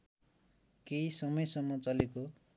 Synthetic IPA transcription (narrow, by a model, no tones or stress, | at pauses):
kejsʌmʌjsʌmːʌt͡sʌleko